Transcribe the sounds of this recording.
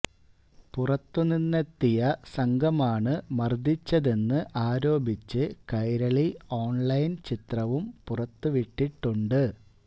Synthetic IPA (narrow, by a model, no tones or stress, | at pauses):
purɐt̪ːuninːɐt̪ːijɐsɐŋɡʱɐmaːɳɨmɐrd̪ʱit͡ɕːɐðe̞nːɨʔaːɾo̞ːbʱit͡ɕːɨkɐjɾɐɭio̞ːɳlɐjnt͡ɕit̪rɐʋumpurɐt̪ːɨʋiʈːiʈːuɳɖɨ